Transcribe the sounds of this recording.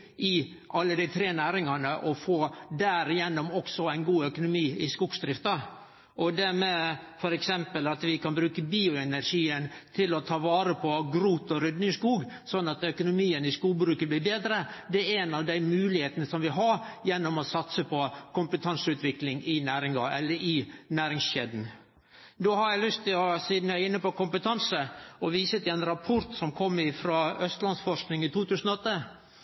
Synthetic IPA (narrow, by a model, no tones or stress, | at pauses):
ʔɪ | ʔɑlːəd̪ɪt̪ʰɾeːnæːɾɪŋɑnəʔɔfoːd̪æɾɪjɛnːɔmɔksɔæɪnɡuːœkʊnʊmiːɪskuːɡsd̪ɾɪft̪ɑ | ʔɔd̪æmɛfɔɾɛksɛmpəlɑt̪ʋɪkʰɑnbɾʉːkəbiːʊɛnæɾʂiːənt̪ʰɪlɔt̪ʰɑːʋɑːɾəpʰɔɡɾuːt̪ɔɾʏd̪nɪŋskuːɡ | sɔnːɑt̪œkʊnʊmiːənɪskuːbɾʉːkəb̪lɪːbeːd̪ɾəd̪ɛɾɛnɑʋd̪æɪmʉːlɪheːt̪ənəsɔmʋɪɦɑɾjɛnːɔmɔsɑt̪səpʰɔkʰʊmpət̪ʰɑnsʉːt̪ʰʋɪklɪŋɪnæːɾɪŋɑ̰ɛ̰lːəɾɪnæːɾɪŋsɕed̪n̩ | d̪oːhɑɾjæɪlʏst̪ːɪlɔsiːd̪næɪnːəpɔkʊmpət̪ʰɑnsəɔʋiːsət̪ɪɛnɾɑpʰɔɾt̪sɔmkʰɔmːɪfɾɑːœst̪lɑnsfɔʂknɪŋɪt̪ʰuːt̪ʰʉːsənɔɔt̪ːə